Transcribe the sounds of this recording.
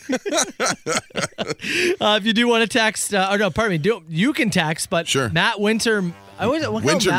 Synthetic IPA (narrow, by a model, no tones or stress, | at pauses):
ʌɨfjɨdɨwɑ̃ñɨtʰæksʌə˞noʊpʰɑɹɾəvmlidoʊ̃jɨkɨ̃ntʰæksb̥ʌt̚ʃʊɹnət̚wɪ̃ntə˞ | awʌzwʌwɪ̃ə